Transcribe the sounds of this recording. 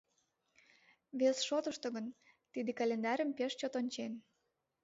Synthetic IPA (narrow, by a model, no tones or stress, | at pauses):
βesʃot̪ə̆ʃt̪ŏɣən | t̪id̪ekɑlʲend̪ɑɾəmpeʃt͡ɕot̪onʲt͡ɕen